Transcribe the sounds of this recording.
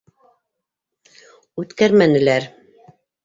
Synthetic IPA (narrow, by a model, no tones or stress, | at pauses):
ʉt̪kæɾmænɘ̆læɾ